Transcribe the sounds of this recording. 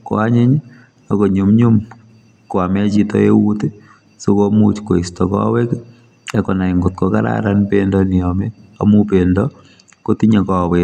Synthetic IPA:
kɔ̰aɲɪ˦ɲ | a˨ko˨ɲu˨mɲu˦m | ko˨a˨mɛ˦t͡ʃitɔ̰ḛ˦wu˦te | so˦komut͡ʃko˨i˨stɔ˨kɔ̰˦we˦k | ɛ˦kɔ˨na˨ɪ˨ŋɡʊ˨t̪̚kɔ˨ka˦ɾa̰ɾanpendɔnɪɔme˦a̰mu˦pendɔ | ko˦tiɲa˨kɔ˨we

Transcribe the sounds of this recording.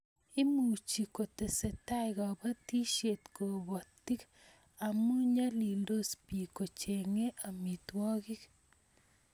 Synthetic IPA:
ɪ˦mu˨t͡ʃi˨ko˨te˨se˨ta˦jɣɔ˨ba˦ti˦ʃe˨t̪ko˨βɔ˨t̪ːi˦k | a˨mu˦ɲa˦li˨ldo˦spi˨ko˨t͡ʃe˨ŋe˦ʔa˨mi˨t̪wɔ˦ɣi˦k

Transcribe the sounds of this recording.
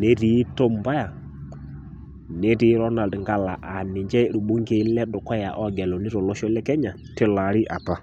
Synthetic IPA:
ne˦ɾi˨˦to˦m˨ba˦ja˨ | ne˦ɾi˨˦ɾɔ˦na˨ɾi˨ŋɡa˨la˨ʔa˨nɪ˨ɲd͡ʒɛ˦˨ɾu˨ɓu˦ŋɡe˨˦lɛ˦ɗʊ˨kɔ˦ja˨ʔɔ˦ɡɛ˨lɔ˨ni˦ɾɔ˨lɔ˦ʃɔ˦lɛ˦kɛ˦ɲa˨ | tɪ˦la˨˦ɾɪ˦ʔa˨pa˦

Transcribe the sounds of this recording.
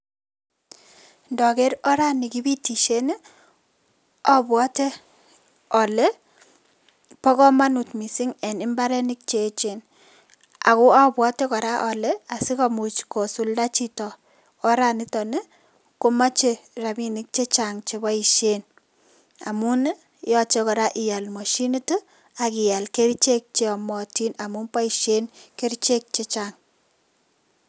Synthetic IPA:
ndɔ˨kɛ˦ɾɔ˦ɾa˦ni˨ki˦bi˦ti˨ʃe˦n˦ | ɔ˦bwɔ˦te˦ | ɔ˨le˦ | pɔ˦kɔ˦ma˦nu˨tmi˨si˦ŋɛ˨nɪ˦mba˦ɾɛ˦nɪ˦k̚t͡ʃe˨˦t͡ʃe˨n | a̰˨ko˦a˦bwɔ˦te˦kɔ˨ɾa˦ʔɔ˨lɛ˦a˨sɪ˦ka˨mu˨t͡ʃko˨su˨lda˦t͡ʃi˦tɔː˨˦ | ɾa˨ni˦tɔ˨ne˦ | ko˦ma˦t͡ʃe˦ɾa˨mi˦ni˦k̚t͡ʃe˦t͡ʃaŋt͡ʃe˨ba˦iʃen | a̰˨mu˦n˦ | jɔ˦t͡ʃe˦kɔ˨ɾa˦ʔɪ˨ja˨lmɔ˨ʃi˦ni˦to˦ | a˨ki˨ja˨lke˦ɾt͡ʃe˦k̚t͡ʃeɔ˨mɔ˨ti˦na˨mu˦npa˦i˨ʃe˦nke˦ɾt͡ʃe˦k̚t͡ʃe˦t͡ʃaŋ

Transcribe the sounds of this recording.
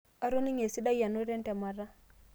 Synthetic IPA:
a˦ɾo˦ni˦ŋe˨si˦da˦ja˨no˦ɾɛ˦ntɛ˨ma˨ɾa˦

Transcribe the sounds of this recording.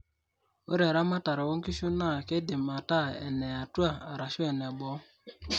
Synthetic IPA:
o̰˦ɾe˨ɾa˦ma˦ta˨ɾa˨wo˦ŋ̩˦ki˦ʃu˦na˦˨ke˦dɪ˨ma˨ta˦˨ɛ̰˨nɛ˨a˨tu˦a˦˨a˨ɾa˨ʃu˦ɛ˨nɛ˨ɡ͡bɔ˨˦

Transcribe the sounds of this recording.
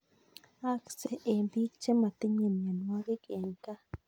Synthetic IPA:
a˦kse˦ʔe˨mbi˦kt͡ʃe˦ma˨t̪i˦ɲe˨ne˨nwa˦ɡe˦ke˨ŋka˦

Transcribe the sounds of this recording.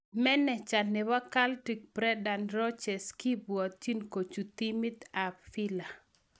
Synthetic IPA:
mɛ˦nɛ˨t͡ʃa˨nːɛ˨wa˦ka˦lti˨k̚b̥ɾɛ˦da˨nɾɔ˦t͡ʃɛ˨ski˦bwɔ˨t̪̚t͡ʃi˦nko˨t͡ʃu˨t̪i˦mi˦t̪a˨pfi˦la˨

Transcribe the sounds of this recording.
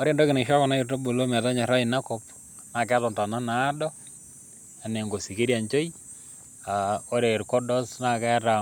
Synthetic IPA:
a˦ɾe˦˨ndɔ˦kɪ˨ne˨ʃa˦kɔ˨na˦irta˦bo˨lo˦mɛ˨ta˦ɲa˨ɾa˦ɪ˨na˦kɔ˦p̚ | na˨kɛ˦tɔ˨nta˨na˦na˦dɔ˦ | a˨ne˨ŋɡo˨si˨ke˦ɾja˨nt͡ʃo˦i˦ | a˨o˦ɾe˨ɾkɔ˦dɔ˦sna˨kɛ˦ta˨

